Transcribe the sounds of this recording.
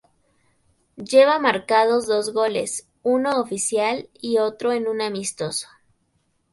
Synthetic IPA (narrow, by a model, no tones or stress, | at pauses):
ɟ͡ʝe̞βamaɾkað̞o̞zðo̞zɣo̞les | uno̞ːfisjalio̞t̪ɾo̞enũnamist̪o̞so̥